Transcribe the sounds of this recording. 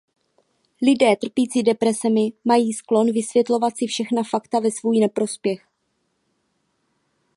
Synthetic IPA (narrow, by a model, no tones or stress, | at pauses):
lɪdɛːt̪r̩piːt͡sidɛpɾɛsɛmɪmajiːsklo̞nvɪsvjɛt̪lo̞vat̪sɪfʃɛxnafakt̪avɛsvuːjnɛpɾo̞spjɛx